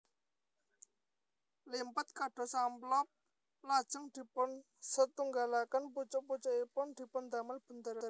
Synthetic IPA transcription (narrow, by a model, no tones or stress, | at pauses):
limpət̪̚kaɖ̥ɔ̤samlɔp̚ | lad̥ʒ̥ə̤ŋd̪̥i̤pʊn | sət̪uŋɡalakanput͡ʃʊʔput͡ʃʊʔipʊnd̪̥i̤pʊnd̪a̤məlb̥ə̤nd̪əɾ